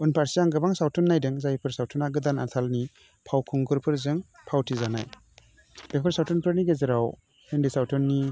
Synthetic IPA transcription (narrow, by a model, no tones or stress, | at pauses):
unpʰaɾsijaŋɡɯbaŋsawtʰɔnːajdɯŋzajpʰɯɾsawtʰɔnaɡɯdana̰t̪ʰalni | pʰawkʰɯŋɡɯɾpʰɯɾzɯŋ | pʰawtʰizana̰j | bepʰɯɾsawtʰɔnpʰɯɾniɡezɯɾaw | hɯndisawtʰɔnːi